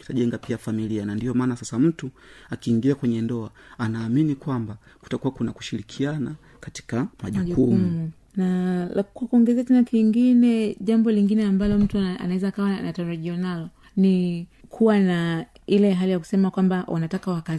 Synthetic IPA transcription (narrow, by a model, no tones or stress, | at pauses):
ki̥taʄɛŋɡapiafamilianandiɔmaːnasasam̩tu | akiːŋɡiakwɛɲɛndɔaanaːminikwamba | ku̥takuwakunaku̥ʃiɾikʰiana | kati̥kamaʄukuu | naakwakuɔŋɡɛzɛtɛnakiŋɡinɛʄambɔliŋɡinɛambalɔm̩tua̰nawɛzaːkawanataɾaʄianalɔ | nikʰuwana | ilɛɦalijaku̥sɛmakwambawʔa̰natakawaka